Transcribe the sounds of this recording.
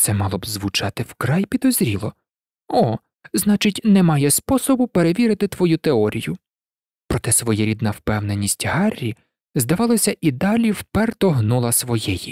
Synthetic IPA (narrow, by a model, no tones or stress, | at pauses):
t̪sɛmɑlˠɔbzʋʊt͡ʃɑt̪ɪwkɾɑjpʲid̪ɔzɾʲilˠɔ | ɔ | znɑt͡ʃɪtʲnɛmɑjɛspɔsɔbʊpe̞ɾeʋʲiɾɪt̪ɪt̪ʋɔjut̪eɔɾʲijʊ | pɾɔt̪ɛsʋɔjɛɾʲid̪nɐwpɛwnenʲisʲtʲɦɑrʲːi | zd̪ɐʋɑlˠɔsʲɐʔid̪ɑlʲiwpɛrt̪ɔɦnulˠɐsʋɔjɛji